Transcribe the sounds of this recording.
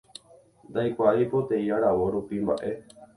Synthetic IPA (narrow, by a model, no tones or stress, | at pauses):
nd̪ajkʷaipo̞t̪e̞iaɾaʋo̞ɾupimba̰ʔe̞